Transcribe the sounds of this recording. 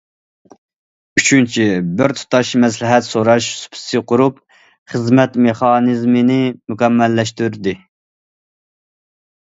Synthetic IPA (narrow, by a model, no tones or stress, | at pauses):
yt͡ʃʰynt͡ʃʰibɪɾt̪ʰu̥t̪ɑʃmɛs̬lɪɦɛt̪soɾɑʃsu̥pʰɪ̥sɨqʰʊɾup | χəzmɛt̪meχɑːnɨzmɪnɪmukʲɛmːɛlːɛʃt̪yɾd̪ɪ